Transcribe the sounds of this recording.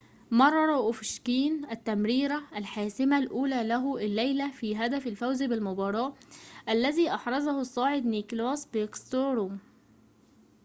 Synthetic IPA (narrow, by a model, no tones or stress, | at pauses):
mɑrˤːɑɾˤɑʔʊfʃkiːnæt̪ːæmɾiːɾæʔælħaːsɪmælʔuːlæːlæɦʊʔɪlːæjlæfiːɦæd̪æfɪlfæwzbɪlmʊbɑːɾˤɑːʔʔælːæziːʔɑħɾˤɑzɑhʊsˤːɑːʕed̪niːklɑːsbɪʔkst̪oːɾom